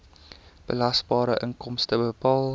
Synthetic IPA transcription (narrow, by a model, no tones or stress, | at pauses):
b̥əlɐsbɑːɾəʔəŋkɔmstəbəpɑːlˠ